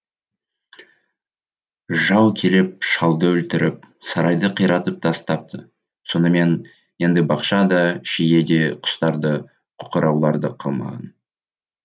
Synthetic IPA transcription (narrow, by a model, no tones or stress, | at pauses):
ʒɑwkʲʰe̞lɪp̚ʃɑlˠd̪əɵlt̪ɪɾɪp̚sɑɾɑjd̪əqʰijɾɑt̪əp̚t̪ʰɑst̪ɑp̚t̪ʰə̰ | so̞nəme̞n | je̞nd̪ɪbɑqʃɑd̪ɑʃeje̞d̪e̞qʰʊ̥st̪ɑɾd̪ə | qʰʊ̥qəɾɑwlˠɑɾd̪əqʰɑ̰lˠmɑ̰ʁɑ̰n